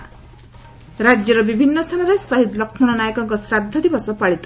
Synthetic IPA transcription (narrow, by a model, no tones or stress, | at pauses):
ɾad͡ʒjɔɾɔbibʱinːɔst̪ʰanɔɾesɔɦid̪lɔkʰmɔɽ̃ɔnajɔkɔkɔsɾad̪ʱːɔd̪ibɔsɔpaɭit̪ɔ̥